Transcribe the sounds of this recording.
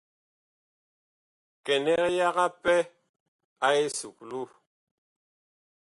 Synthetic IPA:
kɛ˨nɛ˦kja˦ɣa˦pɛ˦ | a˦e˦su˨k̚lu˦˨

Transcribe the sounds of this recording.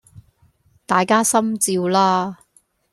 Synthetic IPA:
t̪aː˨˩jkaː˥sɐ˥mt͡siː˧wlaː˥

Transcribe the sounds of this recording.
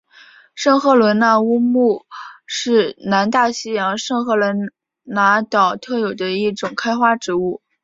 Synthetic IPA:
ʂɤ˥˧ŋxɤ˥˩lwə˧˥nna˧˥u˥mu˥˧ʂɻ̩˥˩na˧˥nt̪a˥˩ɕi˥jɑ˧˥ŋʂɤ˥˧ŋxɤ˥˩lwə˧˥n | na˧˥t̪ɑ˨˩ʊt̪ʰɤ˥˩jo˨˩ʊd̪ə˦i˥˩ʈ͡ʂʊ˨˩ŋkʰa˥ɪxwa˥ʈ͡ʂɻ̩˧˥u˥˩

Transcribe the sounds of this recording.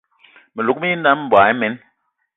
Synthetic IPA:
me˨lu˨k̚mi˦i˦n˦da˦m˨bwa˨i˦mɛ˨˦n

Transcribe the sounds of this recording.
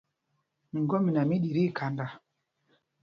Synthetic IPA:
mi˨ɡo˦mi˨na˨mi˦ɗi˨ɾi˦˨kʰa˨nda˨

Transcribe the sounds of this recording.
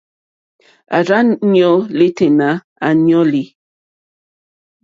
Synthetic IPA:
a̰˨ɾa˦nɲɔ˦li˦te˨na˨˦ | a˨ɲɔ˦li˨

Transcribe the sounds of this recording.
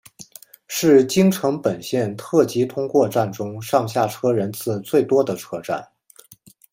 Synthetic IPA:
ʂɻ̩˥˩t͡ɕi˥ŋʈ͡ʂʰɤ˧˥ŋpə˨˩nɕjɛ˥˧nt̪ʰɤ˥˩t͡ɕi˧˥t̪ʰʊ˥ŋkwɔ˥˧ʈ͡ʂa˥˩nʈ͡ʂʊ˥ŋʂɑ˥˧ŋɕ̬ja˥˩ʈ͡ʂʰɤ˥ɻə˧˥nt͡sʰɹ̩˥˧t͡swe˥˩ɪt̪wɔ˥d̪ə˨ʈ͡ʂʰɤ˥ʈ͡ʂa̰˥˩n

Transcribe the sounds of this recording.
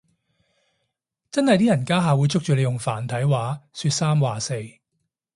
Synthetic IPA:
t͡sɐ˥nhɐ˨jt̪iː˥jɐ˨˩nkaː˥ɦaː˨wuː˨˧jt͡sʰʊ˥k̚t͡ʃyː˨˩le˨˧jʊ˨˩ŋfaː˨˩nt̪ʰɐ˨˥jwaː˨˥syː˧t̚saː˥mwaː˨se˧j

